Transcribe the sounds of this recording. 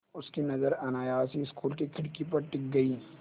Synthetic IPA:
ʊskinɐzəɾɐnaːjaːsiɪskuːlk̬ikʰɪɽkipɐɾʈɪk̚ɡɐiː

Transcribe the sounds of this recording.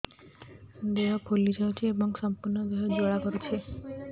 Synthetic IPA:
d̪eɔpʰolid͡ʒawt͡ʃʰiebɔŋsɔmpuɾnɔd̪eɦɔd͡ʒoɽakɔɾet͡ʃʰe

